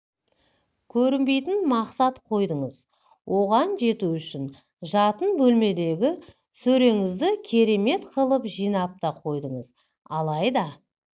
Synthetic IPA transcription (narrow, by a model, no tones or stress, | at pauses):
kʲʰɵɾɪnbe̞jt̪ɪnmɑqsɑt̪qʰo̞jd̪əɴəz | wʔo̞ʁɑnʒe̞t̪uʏʃɪn | ʒɑt̪ənbɵlme̞d̪e̞ɡʲɪ | sɵɾe̞ŋɪzd̪ɪkʲʰe̞ɾe̞me̞t̪qʰəlˠəpʒijnɑp̚t̪ɑqʰo̞jd̪əɴəz | ɑlˠɑjd̪ɑ